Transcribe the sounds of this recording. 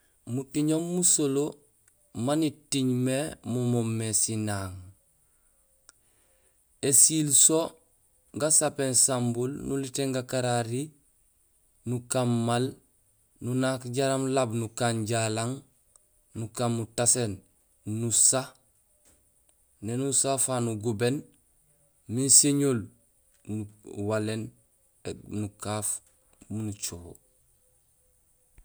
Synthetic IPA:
mutiɲomːusolo | manitiɲmemumomːesinaŋ | esilso | ɡasapensambulnuliteŋɡakaɾaɾi | nukamːal | nunakɟaɾamlabnukanɟalaŋ | nukamːutasen | nusa | nenusafanuɡuben | minseɲoːl | nuwalen | enukaf | munut͡ʃoho

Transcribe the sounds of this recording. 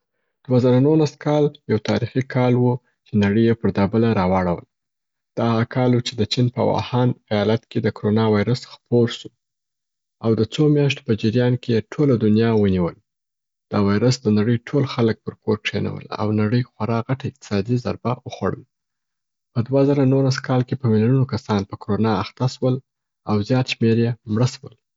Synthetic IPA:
d̪̥wazaɾanulaskɑljawt̪ɑ̰ɾixikʰɑlwu | t͡ʃenaɽəjepəɾd̪ɑbəlaɾɑwɑɽawə̰l | d̪̥ɑɣakʰɑlwut͡ʃed̪ət͡ʃinpə̰wɑ̰hɑnajɑlat̪ked̪əkoɾonɑwɑjɾəsxpoɾʃu | awd̪ət͡somjɑʃt̪o̥pəd͡ʒiɾijɑnkejeʈʰolad̪ʊnjɑwəniwəl | d̪̥əwɑjɾəsd̪ənaɽəjʈʰolxalək̚pəɾkoɾkʂena̰wə̰la̰wnaɽəjxwaɾɑɣaʈaɪqt̪ɪ̥sɑd̪iza̰ɾbaəxwa̰ɽə̰l | pəd̪wazaɾanoɾaskʰɑlkepəmɪlununokasɑnpəkoɾonɑaxt̪aʃwəl | awzjɑt̪ʃmeɾjemɽəswəl

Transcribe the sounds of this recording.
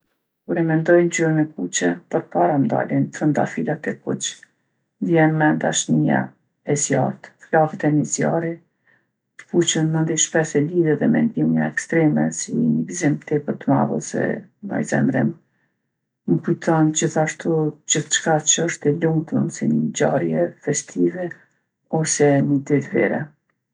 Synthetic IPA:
kuɾɛmɛnd̪ɔjnd͡ʑuɾənɛkut͡ʃɛpəɾpaɾand̪a̰lint̪ɾənt̪a̰filat̪ɛkut͡ʃ | d̪jɛnmɛd̪aʃnija̰ | ɛzja̰ɾt̪flafɛt̪ɛnizja̰ɾi | t̪ə̥fut͡ʃənmənd̪iʃpɛsɛliðɛðɛmɛ̰nd̪imaɛkst̪ɾɛmɛ̰sḭnəɡzimt̪ɛpəɾt̪əma̰və̰sɛ̰nɔ̰jzɛ̰mɾḭm | məkut̪ʰɔnd͡ʑiθaʃt̪ud͡ʑiθt͡ʃkat͡ʃəʃt̪ɛluŋt̪ənsiɲəd͡ʑaɾjɛfɛst̪ʰivɛ | ɔsɛnəd̪it̪vɛ̰ɾɛ̰

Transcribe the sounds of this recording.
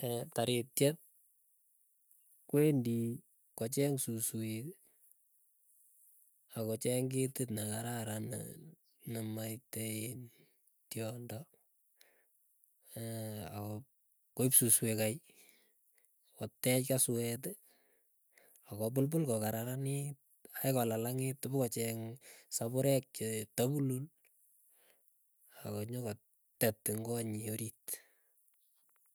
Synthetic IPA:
ɛtaɾitt͡ʃɛt̚ | kwendi | kɔt͡ʃɛŋsuswi | akɔt͡ʃɛŋɡetɪtnakaɾaɾan̰ | namaiteen | tjɔndɔ | a̰kɔ | koipsuswekaj | kɔtːɛt͡ʃkasuɛt̬ | akɔp̬ʊlpʊlkɔkaɾaɾanit̚ | ajkɔlalaŋɪtʊbʊkɔt͡ʃɛŋsabʊɾɛk̚t͡ʃɪtabulul | akɔɲɔkɔ | tɛtːɪŋɡoaɲioɾit

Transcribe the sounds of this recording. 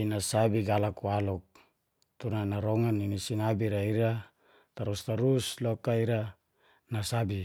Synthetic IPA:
inasabiɡalakualɔk̚ | t̪unanaɾɔŋanːinisinabiɾaiɾa | t̪aɾust̪aɾuslokaiɾa | nasabi

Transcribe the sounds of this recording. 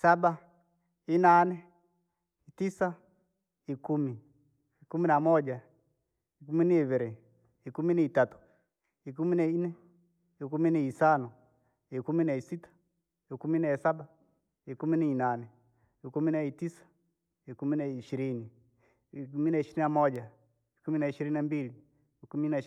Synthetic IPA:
isaɓa | inanɛ | itisa | ikumi | ikuminamɔd͡ʒa | ikuminiiviɾɛ | ikuminiitatu̥ | ikuminainɛ | ikuminɛisanɔ | ikuminaisitḁ | ikuminaɛsaɓa | ikuminiinanɛ | ikuminaitisḁ | ikuminaiʃiɾini | ikuminaiʃiɾinamɔʄa | ikuminaiʃiɾininambiliː | kumina

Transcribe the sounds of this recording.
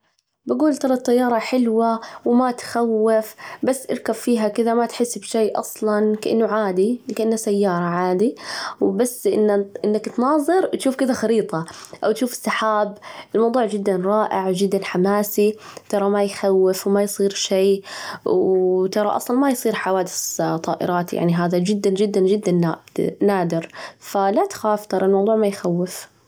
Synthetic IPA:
baɡuːlt̪ɑɾˤɑt̪ˤːɑjːɑːɾˤɑħɪlwawmat̪xawːɪfbasːʔɪɾkabfiːɦakɪðamat̪ħɪsːbʃejːʔɑ̰sˤlɑnkaʔɪnːʊʕaːd̪ikaʔɪnːasajːɑːɾˤɑʕaːd̪iwbasːʔɪ̰nːaʔɪnːakt̪nɑːðˤɨɾt̪ʃuːfkɪðaxaɾiːt̪ˤɑʔawt̪ʃuːfɪ̥sːaħaːbʔɪlmɑwd̪ˤuːʕd͡ʒɪd̪ːanɾˤɑːʔɪʕd͡ʒɪd̪ːanħamaːsit̪ɑɾˤɑmajxawːɪfwmajsˤiːɾʃeːwwt̪ɑɾˤɑ̰ʔɑ̰sˤlɑnmajsˤiːɾħawaːd̪ɪsˤt̪ˤɑːʔɪ̰ɾˤɑːt̪ja̰ʕniɦaːðad͡ʒɪd̪ːand͡ʒɪd̪ːand͡ʒɪd̪ːanːanaːd̪ɪɾfalat̪xaːft̪ɑɾˤɑlmɑwðˤuːʕmajxawːɪf

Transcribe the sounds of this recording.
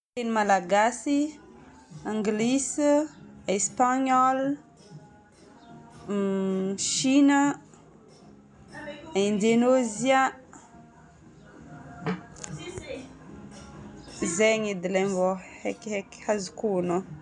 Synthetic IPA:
t̪enimalaɡasi | aŋɡlis | espaɲɔl | ʃinə | ind̪enozia | zeŋid̪ilemvohekekhazikuno

